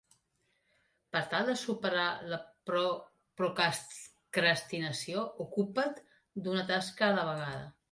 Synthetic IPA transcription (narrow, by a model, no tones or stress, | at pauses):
pəɾt̪alˠd̪əsupəɾalə | pɾuk | kɾəst̪inəsioʔukupət̪ | d̪unət̪askəːləβ̞əɣ̞aðə̰